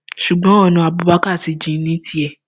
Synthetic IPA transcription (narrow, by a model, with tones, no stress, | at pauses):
ʃu˨ɡ͡bɔ̃˨˦ɔ˦˨nũ˧˨a˨bu˧˦ba˦ka˦˨ti˨˧d͡ʒĩ˨˧˦nĩ˦ti˦ɛ˨